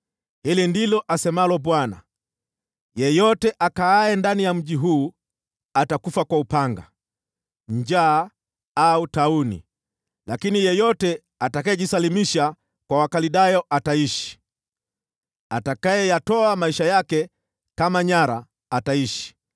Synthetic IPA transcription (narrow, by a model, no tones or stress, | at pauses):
hilindilɔʔasɛmalɔbwana̰ | jɛjɔtɛʔakaajɛndanijam̩ʄiɦuː | atakufakwaupaŋɡa̰ | ɲd͡ʒaː | autaunḭ | lakinijɛjɔtɛ | atakajɛʄisalimiʃa | kwawakaliɗajɔʔataiʃi̥ | atakajɛjatɔamaiʃajakɛ | kamaɲaɾaː | taiʃi̥